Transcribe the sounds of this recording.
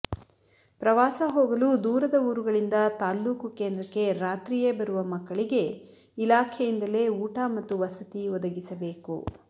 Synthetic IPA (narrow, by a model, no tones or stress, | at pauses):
pɾɐʋaːsɐɦoːɡɐluːd̪uːɾɐd̪ɐuːɾuɡɐɭind̪ɐt̪aːlːuːkukeːnd̪ɾɐkːe̞ɾaːt̪ɾijebɐɾuʋɐmɐkːɐɭiɡe̞ | ilaːkʰɛjind̪ɐle̞ːuːʈaːmɐt̪ːuʋɐsɐt̪iʋɔd̪ɐɡisɐbe̞ːkṵ